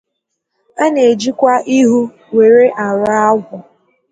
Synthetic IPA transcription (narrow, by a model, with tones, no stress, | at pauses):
a˦ne˨d͡ʒi˦kʷa˦ʔi˦ɦu˦ | we˨ɾe˦ʔa˨ɾa˦a˦ɡʷʊ˨